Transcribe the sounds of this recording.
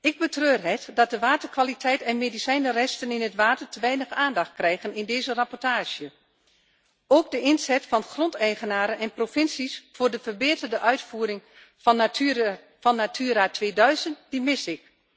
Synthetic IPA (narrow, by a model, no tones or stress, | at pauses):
ɪɡ̚bətrøːrɦɛtdɔt̚dəʋaːtərkʋalitʰɛjtɛnmedisɛjnərɛstənɪnətʋaːtərtəʋɛjnəxaːndɑxt̚krɛjɣənɪndeːzərapɔrtaːʒjə | oːɡ̚dəɪnzɛtfɔnxrontɛjɣənaːɾənɛnprofɪnsisfoːrdəfərbeːtərdəʔœɥtfuːɾɪŋ | ɔnːatʰyːɾaːtʰʋeːdœɥzənt̚dimɪsɪk